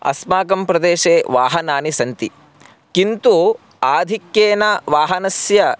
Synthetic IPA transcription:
ɐ̰smaːkɐmpɾɐd̪eːʃeːʋaːɦɐnaːnisɐnt̪i | kint̪u | aːd̪ʱikjeːnɐʋaːɦɐnɐsjɐ

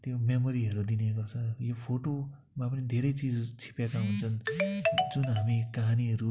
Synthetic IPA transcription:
t̪jomemoɾiɦʌɾud̪inekot͡sʰʌjopʰoʈo | mapʌnid̪ʱeɾʌjt͡sid͡zt͡sʰi̥pekaɦunt͡sʰʌn | d͡zunɦamikaɦaniɦʌɾu

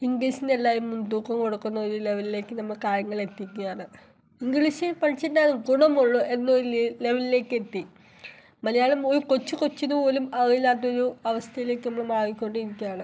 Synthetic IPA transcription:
iŋɡliːɕindelːaːjimːund̪uːkːɐmkoɽɐkːunːɐoɾule̞ʋɐlile̞ːkːɨnɐmːɐɭkaːɾjɐŋːɐɭe̞t̪ːikʲːujaːɳɨ | iŋɡɭiɕipɐɻit͡ɕːindaːðumɡuɽɐmoɭːuenːoɾule̞ʋɐlile̞ːkːet̪ːi | mɐlɐjaːɭumo̞ɾuko̞t͡ɕːukot͡ɕːinuolumɐɣjilaːt̪̬ːɐoɾuɐʋɐst̪ʰɐjile̞ːkːɨnɐmːɭemaːɣikʲːo̞ɳɖɨiɾikʲːujaːɳɨ

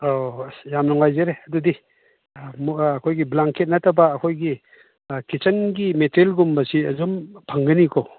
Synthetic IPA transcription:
ojamnɔŋajzeɾeɐdudi | mːkʰojɡiblaŋket̚natʰabaːkʰojɡi | kit͡ʃʰɐnɡimetʰɾelɡumbɐsiɐzɔmpʰaŋɡɯnikʰɔ

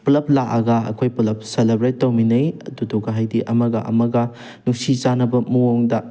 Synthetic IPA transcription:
plɐplakɐɡɐɐ̰kʰojpulɐp̚selebɾetːɐwminɐjɐ̰dudoɡɐɦajdiʔɐmɐɡɐʔɐ̰mɐɡɐ | nusit͡ʃanɐbɐmuoŋdɐ

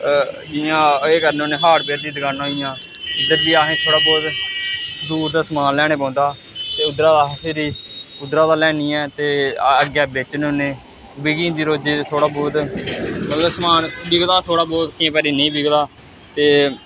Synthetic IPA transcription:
d͡ʒiːãːeːkəɾnːoːnẽːɦaːɾpeːɾd̪iːd̪əɡaːnãːɦijãː | ʊd̪əɾbiːaːɦẽːt̪ʰoːɽaːbɔːt̪ | d̪uːɾd̪aːsəmaːnlɛːɽ̃eːpãːnd̪aː | t̪eːʊd̪ɾaːd̪aːɦəseːɾiːʊd̪ɾaːd̪aːlɛːniːɛ̃ːt̪eːəɡjaːbeːt͡ʃnonẽː | bɪɡĩːnd̪iːɾoːd͡ʒiːt̪ʰoːɽaːbɔːt̪mət̪ləsəmaːnbɪɡlaːt̪ʰoːɽaːbɔːt̪kɪẽːpəɾiːnĩːbɪɡlaː | t̪eː

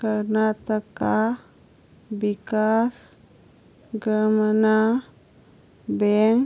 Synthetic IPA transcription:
kəɾnat̪əka | bikas | ɡəɾməna | bɛŋ

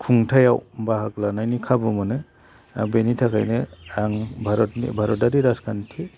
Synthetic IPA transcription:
kʰuŋtʰajawbaɦaklanajnikʰabɯmɯnɯ | a̰ŋbenitʰakʰa̰jnɯaŋbʱaɾɔtnḭbʱaɾɔdaɾiɾaskʰantʰi

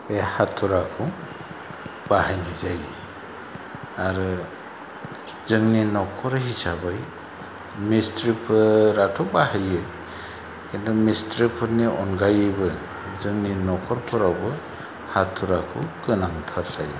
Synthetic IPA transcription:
behatʰːuɾakʰɯw | bahajnazaj | aɾɯ | zɯŋninɔkʰɔɾɦisabɯj | mistɾipʰɯɾatʰɔwbahajɯ | kint̪ʰumistɾipʰɯɾniʔɔnɡajɯbɯ | zɯŋninɔkʰɔɾpʰɯɾawbɯ | hatʰːuɾakʰukɯnaŋt̪ʰaɾzaj

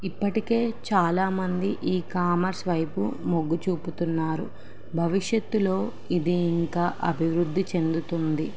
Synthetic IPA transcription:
ipːɐʈike̞ːt͡ʃaːlaːmɐnd̪iʔiːkaːmɐɾsʋɐjpṵmoɡːut͡ʃuːput̪unːaːɾṵ | bʱɐʋiʂjɐt̪ːulo̞ː | id̪iːŋkaːʔɐbʱiʋɾud̪ːit͡ʃe̞nd̪ut̪und̪i

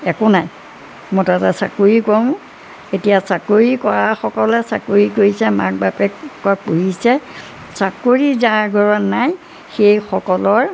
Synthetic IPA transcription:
ɛkʊnaj | mɔtatasa̰koɹikoɹʊ̃ | etijasakoɹikɔɹaxɔkɔlɛsa̰koɹikoisɛma̰k̚bapɛkɔpoɦisɛ | sakoɹizaɹɡʱɔɹɔnːaj | xejxɔkɔlɔɹ

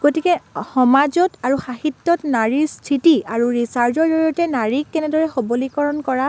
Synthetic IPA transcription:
ɡ̥otikɛxɔmazɔtaɹuxahitːɔtnaɹiɹstʰitiaɹuɹisaɹd͡ʒɔdɔɹiɔtɛnaɹikːɛnɛdɔɹɛxobɔlikɔɹɔnkɔɹa

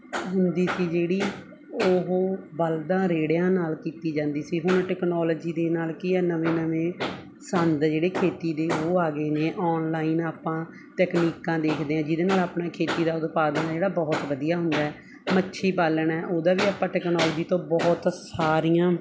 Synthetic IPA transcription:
ɦʊnd̪iːsiːd͡ʒeːɽiː | oɦoːbəld̪ãːɾeːɽjãːnaːlkiːt̪iːd͡ʒãːnd̪iːsiːɦʊnʈɛːknɔːlːd͡ʒiːd̪eːnaːlkɪɛːnəʋẽːnəʋẽː | sənd̪d͡ʒeːɽeːkʰeːt̪iːd̪eːoːaːɡeːneːʔɔːnlaːinaːpãː | ʈɛːkniːkãːd̪eːkʰd̪eːãːd͡ʒɪd̪eːnaːlaːpɳãːkʰeːt̪iːd̪aːʊd̪paːd̪ənːd͡ʒeːɽaːbɔːt̪ʋəd̪ijaːɦʊnd̪aːɛː | mətːʃʰiːbaːləɳɛːʔoːd̪aːʋiːaːpãːʈɛːknɔːlːd͡ʒiːt̪õːbɔːt̪saːɾijãː

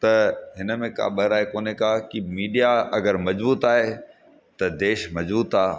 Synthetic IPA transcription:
t̪ɐɦɪnə̆mẽka̰ːɓɐɾaːɦekoːnekaːkimiːɖijaɐɡəɾmɐzbuːt̪aːɦe | t̪ɐd̪eːʃmɐzbuːt̪aː

